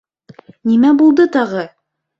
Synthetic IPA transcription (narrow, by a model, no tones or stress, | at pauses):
nimæbulˠd̪ɤt̪ɑʁɤ